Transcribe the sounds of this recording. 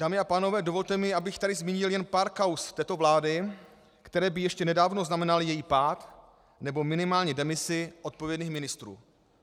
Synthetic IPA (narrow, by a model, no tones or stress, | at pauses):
d̥aːmɪapaːno̞vɛːdo̞vo̞lt̪ɛmɪabɪxt̪adɪzmiːɲɪljɛnpaːɾkawst̪ɛːt̪o̞vlaːdɪ | kt̪ɛɾɛːbɪjɛʃcɛnɛdaːvno̞znamɛnalɪjɛjiːpaːt̪ | nɛbo̞mɪnɪmaːlɲɛdɛmɪsɪʔo̞t̪̚po̞vjɛdniːxmɪnɪst̪ɾṵː